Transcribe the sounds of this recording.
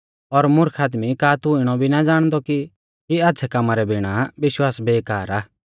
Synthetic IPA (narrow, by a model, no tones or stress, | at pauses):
ɔɾmʊɾkʰaːd̪mikaːt̪ʊɪɽ̃ɔbʱinad͡zaːɽ̃d̪ɔki | kiaːtːt͡ʃʰɛkɐmaɾɛbʱɪɽ̃aʋɪʃwaːsbeːkaːɾaː